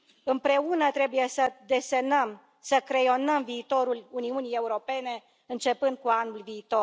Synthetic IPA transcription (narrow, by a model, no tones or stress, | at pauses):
ɨmpɾe̞unət̪ɾe̞buje̞səd̪e̞senəm | səkɾe̞jo̞nəmviːt̪o̞ɾuluniunije̞uɾo̞pe̞ne̞ | ɨnt͡ʃe̞pɨnd̪̚kuanulviːt̪o̞r